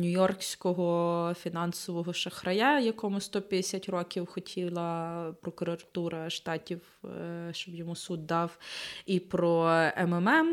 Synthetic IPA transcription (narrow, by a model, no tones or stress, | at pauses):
nʲʊjɔrksʲkɔɦɔfʲinɑnsɔʋɔɦɔʃɐxɾɐjajɐkɔmʊst̪ɔpʲjɐd̪esʲatʲrɔkʲiwxɔtʲʰilˠɐpɾɔkʊɾɐt̪uɾɐʃt̪ɑtʲiw | ʃt͡ʃɔbjɔmusud̪ːɑwipɾɔɛmɛmɛm